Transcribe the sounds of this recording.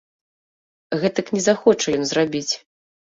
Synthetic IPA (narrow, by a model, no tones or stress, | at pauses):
ɣɛt̪ɐknʲɛzaxɔt͡ʂɐjɔnzrabʲit͡sʲ